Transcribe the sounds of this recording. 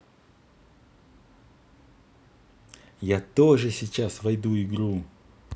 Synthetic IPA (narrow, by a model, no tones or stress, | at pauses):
jat̪oʐɨsʲɪt͡ɕasvɐjd̪uɪɡɾu